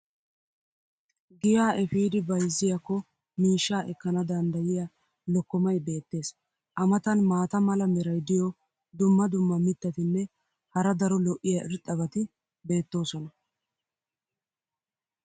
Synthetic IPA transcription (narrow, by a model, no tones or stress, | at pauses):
ɡɪjaːʔɛfiːd̪ɪbɐjzːɪjɐkːɔ | miːʃːaːʔɛkːɐnɐd̪ɐnd̪ɐjɪjaː | lɔkːɔmɐjbe̞ːt̪ːe̞ːs | ʔɐmɐt̪ɐnmaːt̪ɐmɐlɐmɛɾɐjd̪ɪjɔ | d̪ʊmːɐd̪ʊmːɐmɪt̪ːɐt̪ɪnːɛ | hɐɾɐd̪ɐɾɔlɔʔːɪjaʔɪɾt̪ʼːɐβɐt̪ɪ | be̞ːt̪ːo̞ːsɔnɐ